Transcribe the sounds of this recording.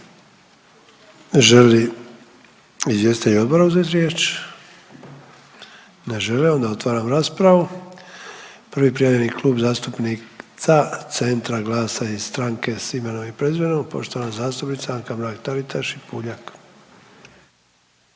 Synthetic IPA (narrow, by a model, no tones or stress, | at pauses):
ʒeli | izʋje̞sit̪euo̞d̪bo̞ɾauzet̪ɾjeːt͡ʃ | ne̞ʒe̞liond̪ao̞t̪ʋaːɾamɾaːspɾaʋu | pr̩ʋipɾijaʋʎenikluːbzaːst̪upnit̪sat̪se̞nt̪ɾaɡlaːsaiz̥st̪ɾaːŋke̞simanoʋipɾe̞zʋenopo̞̰ʃt̪o̞ʋanazaːst̪upnit̪saaŋkamɾaːkt̪alit̪aʃipuʎak